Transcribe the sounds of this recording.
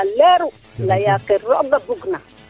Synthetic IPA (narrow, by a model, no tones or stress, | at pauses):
aleɾu | lajakiɾoʔɡabuɡna